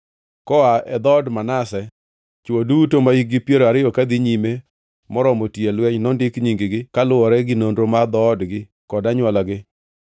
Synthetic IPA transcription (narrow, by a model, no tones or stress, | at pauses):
kɔaɛd̪ɔdmanasɛ | t͡ʃodutomaiɡɪpjeɾoaɾɪɔkad̪iɲime | mɔɾɔmɔtjelwɛɲnɔndɪkɲiŋɡɪɡɪkalʊɔɾɛɡɪnondɾomad̪ɔdɡɪ | kɔdaɲwalaɡɪ